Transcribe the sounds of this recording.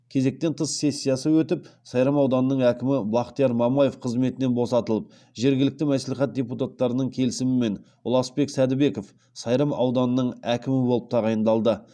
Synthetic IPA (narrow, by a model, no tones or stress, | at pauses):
kʲʰe̞ze̞k̚t̪e̞nt̪ʰəsːe̞sʲːijɑsəwɵt̪ɪpsɑjɾɑmɑwd̪ɑnənəɴækʲɪmɪblˠɑqt̪ijɑɾmɑmɑje̞fqʰəzme̞t̪ɪne̞nbo̞sɑt̪əlˠəp̚ | ʒe̞ɾɡʲɪlɪk̚t̪ɪmæsleχæt̪̚dʲe̞put̪at̪ːɑɾənəɴkʲʰe̞lɪsɪmɪme̞n | ʊlˠɑsbe̞ksæd̪ɪbe̞ko̞f | sɑjɾəmɑ̰wd̪ɑnənəɴækʲɪmɪbo̞lˠəp̚t̪ʰɑʁɑjənd̪ɑlˠd̪ə